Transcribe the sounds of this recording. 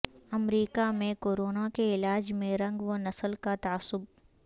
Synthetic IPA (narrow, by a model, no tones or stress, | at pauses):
ɐmɾiːkamẽkoːɾoːnakeɪlaːd͡ʒmẽɾɐ̃ŋɡʋonɐsəlkat̪aːsːʊb̚